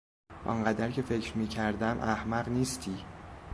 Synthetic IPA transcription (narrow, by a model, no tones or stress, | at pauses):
ʔɒ̰ŋɢæd̪æɾcʰe̞fe̞cʰɾmiːcʰæɾd̪æmʔæhmæɢniːst̪ʰiː